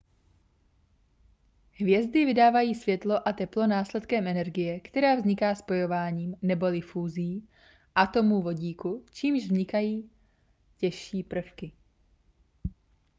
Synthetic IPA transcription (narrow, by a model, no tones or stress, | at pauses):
ɦvjɛzd̪ɪvɪdaːvajiːsv̥jɛt̪lo̞ʔat̪ɛplo̞naːslɛt̪kɛmʔɛnɛɾɡɪjɛkt̪ɛɾaːvzɲɪkaːspo̞jo̞vaːɲiːmnɛbo̞lɪfuːzɪjː | ʔat̪o̞muːvo̞ɟiːkut͡ʃiːmʒvzɲɪkajiː | cɛʃiːpr̩fkɪ